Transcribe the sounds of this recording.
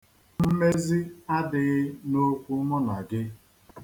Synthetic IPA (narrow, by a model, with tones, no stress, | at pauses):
m̩˦me˦zi˦a˦dɪ˨ɣɪ˦no˦kʷu˦mɔ˦na˨ɡɪ˦